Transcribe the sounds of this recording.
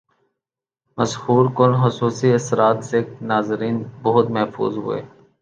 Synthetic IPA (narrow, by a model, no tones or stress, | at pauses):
məshuːɾkʊnxʊsuːsiəsɾaːt̪seːknaːzɾiːnbʊɦʊt̪mɛɦfṵːzɦʊ̰ḛː